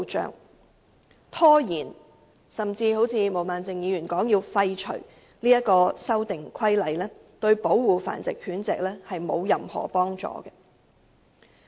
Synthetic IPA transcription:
t͡ʃœ̰ː˨ŋ | t̪ʰɔː˥jiː˨˩n | sɐ˨mt͡siː˧ho˨˥wt͡sʰiː˨˧mo˨˩wmaː˨nt͡sɪ˨ŋjiː˨˧jy˨˩nkɔː˨˥ŋjiː˧wfɐ˧jt͡ʃʰɵ̰˨˩ɥ | liː˥jɐ˥t̚kɔː˧sɐ˥wt̪ɪ˨ŋkʰɐ˥jlɐ˨˧jlɛː˥ | t̪ɵ˧ɥpo˨˥wwuː˨fa̰ː˨˩nt͡sɪ˨˩khʰyː˨˥nt͡sɛ̰˨k̚lɛː˥hɐ˨jmo˨˧wjɐ˨mhɔ̰ː˨˩pɔː˥ŋt͡ʃɔ̰ː˨ɡɛ˧

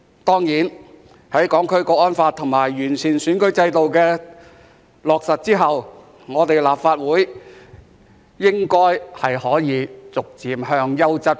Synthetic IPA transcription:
t̪ɔː˥ŋjiː˨˥n | hɐ˨˥jkɔː˨˥ŋkʰɵ˥ɥkɔː˧k̚ɔː˥nfaː˧t̚t̪ʰʊ˨˩ŋmaː˨˩jːyː˨˩nt͡sʰiː˨˩nsyː˨˥nkɵ˨˥ɥt͡sɐ˧jt̪o˨wkɛː˧ | lɔː˨k̚sɐ˨t̚t͡siː˥ɦɐ˨w | ŋɔː˨˧t̪e˨jlaː˨p̚faː˧t̚wuː˨˥j | jɪ˥ŋkɔː˥jhɐ˨˩jhɔː˨˥jiː˨˧t͡sʊ˨k̚t͡siː˨˧mhœː˧˥ŋjɐ˥wt͡sɐ˥t̚

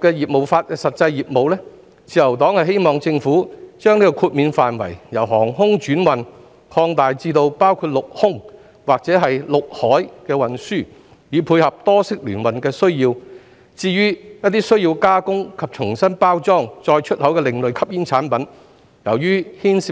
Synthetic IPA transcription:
kɛː˧jiː˨˩p̚mo˨˩wfaː˧t̚kɛ˧sɐ˨t̚t͡sɐ˧jːiː˨p̚mo˨wlɛː˥ | t͡sʰiː˨˧jɐ˨˩wt̪ɔː˨˥ŋhɐ˨jɦe˥jmɔː˨ŋt͡sɪ˧ŋfuː˨˥t͡ʃœː˥ŋniː˥kɔ˧kʰuː˧t̚miː˨˧nfaː˨nwɐ̰˨˩jjɐ˨˩wɦɔː˨˩ŋɦʊ˥ŋt͡ʃyː˨˥nwɐ˨˩n | kʰɔː˧ŋt̪aː˨jt͡siː˧t̪o˧wpaː˥wkʰuː˧t̚lʊ˨k̚hʊ˥ŋ | waː˨k̚t͡sɛː˨˥ɦɐ˨jlʊ˨k̚hɔː˨˥jkɛː˧wɐ˨nsyː˥˩ | jiː˨˧pʰuː˧jhɐ˨p̚t̪ɔː˥sɪ˥k̚lyː˨˩nwɐ˨nkɛː˧sɵ˥ɥjiː˧w | t͡siː˧jyː˥jɐ˥t̚t̪iː˥sɵ˥ɥjiː˧wkaː˥kʊ˥ŋkʰɐ˨p̚t͡ʃʰʊ˨˩ŋsɐ˥npaː˥wt͡sɔː˥ŋt͡sɔː˧jt͡ʃʰɵ˥t̚hɐ˨˥wkɛː˧lɪ˨ŋlɵ˨ɥkʰɐ˥p̚jiː˥nt͡sʰaː˨˥npɐ˨˥n | jɐ˨˩wjyː˥hiː˥nsi˨

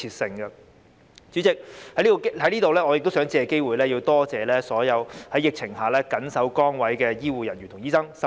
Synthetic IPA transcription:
iː˧t̚sɪ˧ŋɡɐ˧ | t͡syː˨˥t͡sɪ˨k̚hɐ˧˥li˥˧hɐ˨˥jliː˥t̪o˨wlɛː˥ŋɔː˨˧jk̚t̪o˥wsœː˨˥ŋt͡si˨˥ɛ˨ke˥jwuː˨jlɛː˥ji˧wt̪ɔː˥t͡sɛː˨lɛː˥sɔː˨˥jɐ˨˧whɐ˨˥jːɪ˨k̚t͡sʰɪ˨˩ŋɦaː˨˩lɛː˥kɐ˨˥nsɐ˨˥wkɔː˥ŋwɐ˨˥jkɛː˧jiː˥wuː˨jɐ˨˩njyː˨˩nʰʊ˨˩ŋjiː˥sɐ˥ŋsɐ˦

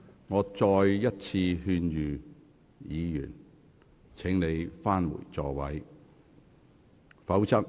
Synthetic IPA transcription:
ŋɔː˨˧t͡sɔː˧jːɐ˥t̚t͡sʰiː˧hyː˧njyː˨ | jiː˨˧jy̰ː˨˩n | t͡sʰɪ˨˥ŋne˨˧jfaː˥nwṵː˨˩jt͡sɔː˨wɐ˨˥j | fɐ˨˥wt͡sʰɐ˥k̚

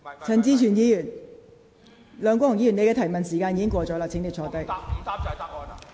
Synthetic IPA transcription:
t͡sʰɐ˨˩nt͡siː˧t͡ʃʰyː˨˩njiː˧jyː˨˩n | lœː˨˧ŋkʷɔː˥t̪ʰʊ˨ŋji˧jy˨˩ne˧kɛ˧t̪ʰɐ˨˩jmɐ˨nsiː˨˩kaː˧njiː˨˧kɪ˥ŋkʷɔː˧t͡ʃɔː˨˥laː˨˩t͡sʰɪ˨˥ŋt̪ɪ˨˧t͡ʃʰɔː˨˧t̪e˨k̚

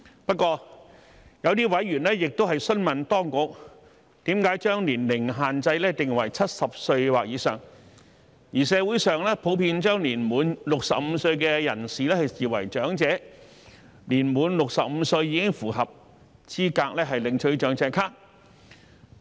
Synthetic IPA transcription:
pɐ˥t̚kːʷɔː˧ | jɐ˨˧wt̪iː˥wɐ˨˥jɥyː˨˩nlɛː˥jɪ˨k̚t̪o˥ɦɐ˨jsɵ˥nmɐ˨nt̪ɔː˥ŋkʊ˨k̚ | t̪iː˨˥mkaː˨˥jt͡ʃœː˥ŋliː˨˩nlɪ˨˩ŋɦaː˨nt͡sɐ˧jlɛː˥t̪ɪ˨ŋwɐ˨˩jt͡sʰɐ˥t̚sɐ˨p̚sɵ˧ɥwaː˨k̚jiː˨˥sœː˨ŋ | jiː˨˩sɛː˨˧wu˨˥jsœː˨˧ŋlɛː˥pʰo˨˥wpiː˧nt͡ʃœː˥ŋliː˨˩nmuː˨˧˥nlʊ˨k̚sɐ̰˨p̚m̩˨˧sɵ˧ɥkɛː˧jɐ̰˨˩nsiː˨˧lɛ˥hɐ˨jsiː˨wɐ̰˨˩jt͡ʃœː˨˥ŋt͡sɛː˨˥ | liː˨˩nmuː˨˧nlʊ˨k̚sɐ˨p̚m̩ː˨˧sɵ˧ɥjiː˨˧kɪ˥ŋfuː˨˩ɦɐ˨p̚ | t͡sʰiː˥kaː˧k̚lɛː˥ɦɐ˨jlɪ˨ŋt͡ʃʰɵ˨˧ɥt͡ʃœː˨˥ŋt͡sɛː˧kʰaː˥k̚

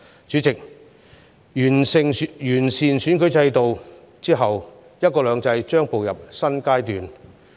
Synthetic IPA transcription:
t͡ʃyː˨˥t͡sɪ˨k̚ | nsɪ˨ŋjyː˨˩nsiː˨nsyː˨˥nkɵ˨˥ɥt͡sɐ˧jt̪o˨w | t͡siː˥ɦɐ˨w | jɐ˥t̚kɔː˧lœː˨˧˥ŋt͡sɐ˧jt͡ʃœː˥ŋpo˨wjɐ˨p̚sɐ˥nkaː˥jt̪yː˨n

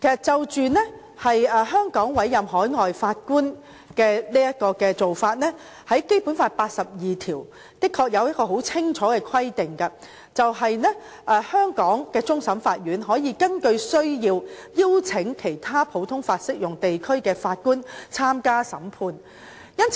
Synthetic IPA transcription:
kʰe˨˩sɐ˨t̚t͡sɐ˨wt͡ʃyː˨nɛ˥ | hɐ˨jɛː˨˧ɦœː˥ŋkɔː˨˥ŋwɐ˨˥jːɐ˨mɦɔː˨˥jŋɔː˨jfaː˧t̚kuː˥n | kɛː˧niː˥jɐ˥t̚kɔː˧kɛː˧t͡so˨wfaː˧t̚nɛ˥ | hɐ˨˥jke˥jpu˨˥nfaː˧t̚paː˧t̚sɐ˨p̚jiː˨t̪ʰiː˨˩w | k̪ɪ˥kʰːɔː˧k̚jɐ˨˧wjɐ˥kɔː˧ɦo˨˥wt͡sʰɪ˥ŋt͡ʃʰɔː˨˥kɛː˧kʰɐ˥jt̪ɪ˨ŋkɐ˧ | t͡sɐ˨wɦɐ˨jnɛ˥ | ʔɛː˨hœː˥ŋkɔː˨˥ŋkɛː˧t͡sʊ˥ŋsɐ˨˥mfaː˧t̚ɥyː˨˥nɦɔː˨˥jiː˨˧kɐ˥nkɵ˧ɥsɵ˥ɥjiː˧wjiː˥wt͡sʰɪ˨˥ŋkʰe˨˩jt̪ʰaː˥pʰo˨˥wt̪ʰʊ˥ŋfaː˧t̚sɪ˥k̚jʊ˨˩ŋt̪e˨jkʰɵ˥ɥkɛː˧faː˧t̚kuː˥nt͡sʰaː˥mkaː˥sɐ̰˨˥mpʰuː˧n | jɐ˥nt͡s

